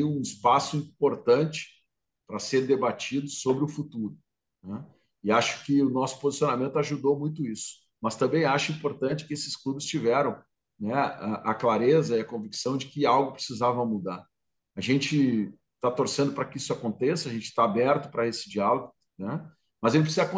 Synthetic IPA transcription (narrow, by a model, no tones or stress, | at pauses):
iũɪspasʊĩpoɾt̪ɐ̃nt͡ʃɪ̥ | pɾɐseɾd̪ebat͡ʃid̪ʊsobɾɪʊfut̪uɾʊ | nɛ | ɪaʃʊ̥kɪʊnɔsʊ̥pozisijonamẽnt̪ʊaʒud̪owmũj̃t̪ʊisʊ̥ | mɐst̪ɐ̃mbẽj̃aʃɐĩmpoɾt̪ɐ̃nt͡ʃɪ̥kɪesɪ̥sklubɪst͡ʃivɛɾɐ̃w̃ | nɛaʔɐklaɾezɐiɐkõviksɐ̃w̃d͡ʒɪkɪawɡʊpɾɪsizavɐmud̪aɾ | aʒẽnt͡ʃɪ | t̪at̪oɾsẽnd̪ʊpɾɐkɪisʊakõnt̪esɐʒẽnt͡ʃɪ̥t̪aabɛɾt̪ʊpɾɐesɪd͡ʒialoɡʊ | nɛ | mɐzelpɾsizɐkõ